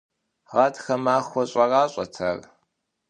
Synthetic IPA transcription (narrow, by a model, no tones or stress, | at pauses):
ʁɐtʰxɐmaːxʷɔɕʼɐraːɕʼɐtʰɐ̰r